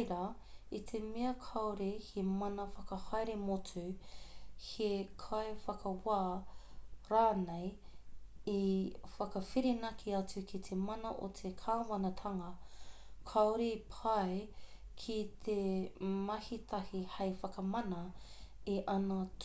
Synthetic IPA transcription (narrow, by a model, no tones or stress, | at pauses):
ɾa | itʰemeɐkʰɐoɾehemɐnɐfɐkɐhɐjɾemot͡sʉ | hekʰaefɐkʰɐwaː | ɾaːnej | ifɐkɐfiɾenɐkʰiɐt͡sʉkʰit̪ʰemɐnɐʔot̪ʰekʰaːwɐnɐtʰɐŋɐ | kʰaoɾipʰɐe | kʰit̪ʰemɐhit̪ʰɐhihɐjfɐkɐmɐnɐiʔɐnɐt